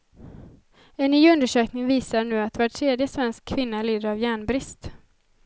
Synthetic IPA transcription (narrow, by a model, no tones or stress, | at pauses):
ɛnːyːɵnd̪əʂøːknɪŋviːsaɳʉ̟ːat̪vaʈʰɾeːd̪jəsvɛnskʰːvɪnːaliːd̪əɾavjæːɳbɾɪst̪